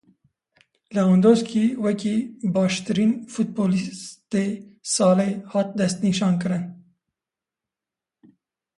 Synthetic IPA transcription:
lɛond̪oːskiːwɛkiːbɑːʃt̪ɨɾiːnfut̪̚boːlit̪esɑːleːhɑːt̪̚d̪ɛst̪niʃɑːnkɨɾɨn

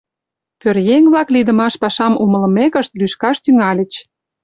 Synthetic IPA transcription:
pørjeŋβlɑklid̪ə̆mɑʃpɑʃɑmumə̆lə̆mekə̆ʃt̪lyʃkɑʃt̪yŋɑlʲə̆t͡ɕ

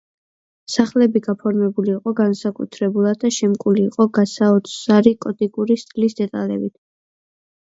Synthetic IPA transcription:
saχlɛbiɡapʰɔɾmɛbuliːqʼɔɡansakʼṵt̪ʰɾɛbulˠad̪̚d̪aʃɛmkʼuliːqʼɔɡasaɔt̪sʰaɾikʼɔt̪ʼikʼuɾist̪ʼlisd̪ɛt̪ʼa̰lɛ̰bit̪ʰ

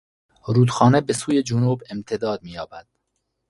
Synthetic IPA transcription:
ɾuːd̪xɒːnebesuːjed͡ʒunuːbemt̪ʰed̪ɒːd̪̚miːjɒːbæd̪̥̚

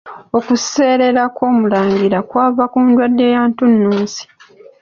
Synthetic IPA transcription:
okuse̞ːɾe̞ɾakwo̞ːmulaːŋɡiɾakwaːvakuːndwadːe̞ːjaːntunːuːnsi̥

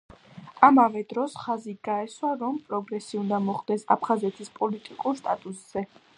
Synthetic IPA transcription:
amavɛd̪ɾɔsχaziɡaɛswaɾɔmpʼɾɔɡɾɛsiund̪amɔχd̪ɛsa̰pʰχazɛt̪ʰispʼɔlit̪ʼikʼuɾst̪ʼat̪ʼusz̥ɛ

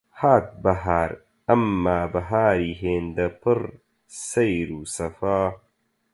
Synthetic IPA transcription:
haːt̪̚bɐɦaːɾ | ɐmːaːbɐɦaːɾiːɦeːnd̪ɐpʰɨɾ | sɐjɾuːsɐfaː

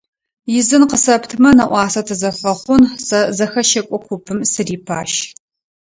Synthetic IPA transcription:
jɪzɨnqəsɐptʰmɐnɐʔʷɑːsɐtʰɨzɐfɐχʷʊnsɐzɐxɐʃɐkʷʼɔkʷʰʊpʰɨmsɨriːpʰa̰ːʃ

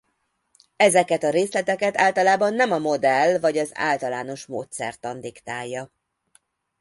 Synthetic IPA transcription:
ɛzɛkɛt̪ɒɾeːslɛt̪ɛkɛt̪aːlt̪ɒlaːbɒnːɛmɒmo̞d̪ɛlvɒɟɒza̰ːlt̪ɒlaːno̞ʃmo̰ːt̪sɛ̰rt̪ɒnd̪ikt̪aːjːɒ

